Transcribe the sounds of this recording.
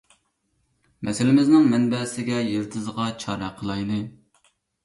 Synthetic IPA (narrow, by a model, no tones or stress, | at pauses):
mɛsɪlɪmɪznɪŋmɛnbɛsɪɡʲɛjeɾt̪ʰɨzʁɑt͡ʃʰɑːɾɑqʰəlˠɑjnɨ